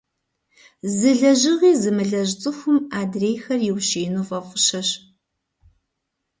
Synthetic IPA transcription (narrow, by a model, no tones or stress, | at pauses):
zɨɮɐʑɨʁiːzɨmɨɮɐʑt͡sʼɨxʷʊmaːdreːjxɐrjɪwʃeːnuːfʼɐfʷʼʊɕɐɕ